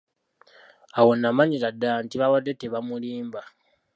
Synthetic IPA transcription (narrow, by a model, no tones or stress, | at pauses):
awonːamaɲiɾadːantiβawadːe̞teβamuliːmba